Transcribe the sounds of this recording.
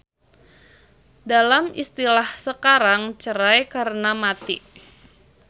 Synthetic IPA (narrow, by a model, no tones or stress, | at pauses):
dalamḭst̪ilahsəkaɾaŋt͡ʃəɾajkaɾənamat̪ḭ